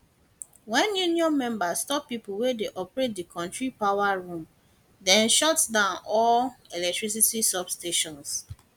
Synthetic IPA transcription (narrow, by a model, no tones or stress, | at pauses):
wɛ̃njuniɔ̃nmɛ̃mbastɔpːip̩wedeʔɔpɹet̚dikʰɔ̃ntɹipawaɹũm | dɛ̃nʃɔtsdãʊ̃nɔlɛlɛk̚tɹis̬itisɔbsteʃɔ̃ns